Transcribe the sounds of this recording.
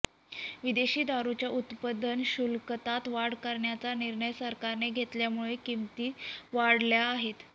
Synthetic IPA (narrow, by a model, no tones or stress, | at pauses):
ʋid̪eɕiːd̪ʱaɾut͡ɕjaʔut̪pəd̪ʱənɕulkət̪at̪ʋaɽkəɾɳjat͡saniɾɳəjsəɾkaɾneɡʱet̪ljamuɭekimt̪iːʋaɽljaːɦet̪